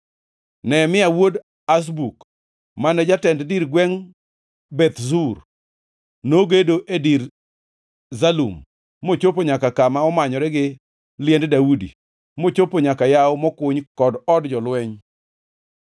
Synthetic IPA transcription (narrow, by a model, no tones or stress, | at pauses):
nɛmɪawod | as̬buk | manɛd͡ʒatɛnddiɾɡwɛŋ | bɛt̪zur | noɡedoʔediɾ | zalṵmː | ot͡ʃopoɲakakamaɔmaɲɔɾɛɡɪ | lɪɛnddaudḭ | mot͡ʃopoɲakajawmɔkʊɲkɔdɔdd͡ʒɔlwɛɲ